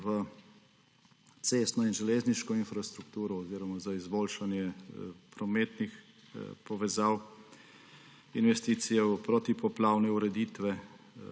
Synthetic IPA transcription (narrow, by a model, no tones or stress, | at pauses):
ʋə | t̪seːst̪nɔinʒɛleːzniʃkɔinfɾast̪ɾukt̪uːɾɔɔziːɾɔmazaizboːlʃanjɛpɾɔmeːt̪nix | pɔʋɛzaːw | inʋɛst̪iːt̪sijɛwpɾot̪ipɔplaːwnɛuɾɛd̪iːt̪ʋɛ